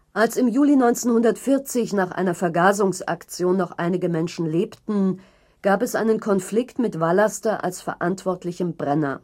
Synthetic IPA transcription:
ʔalsɪmjuːlinɔʏnt͡senhʊndɐtfɪɐt͡sɪçnaːχʔa̰ɪnɐfɛɐɡaːzʊŋsa̰kt͡sjoːnːɔχʔa̰ɪnɪɡəmɛnʃn̩leːptn̩ | ɡ̥aːpɛsʔaɪnənkʰɔnflɪktmɪtv̥alastɐʔa̰lsfɛɐʔantv̥ɔɐtʰlɪçəmbʁɛnɐ̰

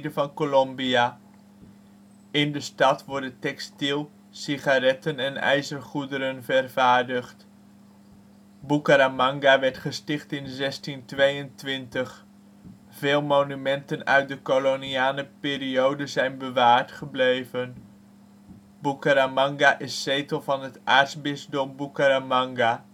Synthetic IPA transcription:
dəvɑnkolɔmbia | ɪndəstɑtʋɔɹdətɛkstilˠ | siχaɾɛtənɛnɛ̰jzərχudəɾənvərv̥aːɹdəχt | bukəɾamɑŋɡaʋɛɹtχəstɪχtɪnzɛstintʋejəntʋɪntəχ | v̥ɪːlˠmonymɛntənœ̰ɥt̚dəkoloniaːnəpɪːɾiowdənzɛjnbəʋaːɹtχəblejvən | bukəɾamɑŋɡaʔɪsːejtəlˠvɑnɦətʔa̰ːɹtzbɪzdɔmbukəɾamɑŋɡa

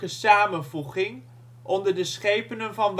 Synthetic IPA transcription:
əsaːmənvuχɪŋ | ʔɔndəɹdəsχejpənənvɑnʋ

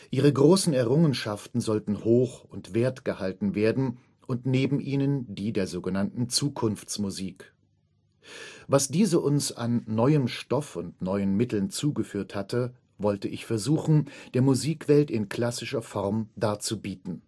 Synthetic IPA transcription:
ʔiːʁəɡʁoːsn̩ɛɐʁʊŋənʃaftn̩zɔltn̩hoːxʊntv̥eːɐtɡ̥əhaltn̩veːɐdn̩ | ʔʊntneːbm̩ʔiːnəndiːdeːɐzoːɡənantn̩t͡suːkʰʊnft͡smuziːk | vasd̥iːzəʔʊnsa̰nːɔʏəmʃtɔfʊntnɔʏənmɪtl̩nt͡suːɡəfyːɐthatʰə | vɔltəʔɪçfɛɐzuːxn̩d̥eːɐmuziːkv̥ɛltɪnkʰl̥asɪʃɐfɔʁmdaːɐt͡subiːtn̩

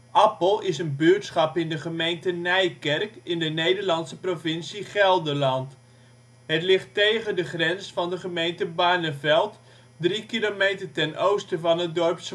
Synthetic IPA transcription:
ʔɑpəlˠɪsənbøtsχɑpɪndəχəmejntənɛjkɛrkɪndənejdəɹlɑntsəprovɪnsiχɛlˠdəlɑnt | ɦətlɪχtejɣədəχrɛnsfɑndəχəmejntəbaɹnəvɛlˠt | drikilomejtərtɛnʔowstəvɑnədɔrps

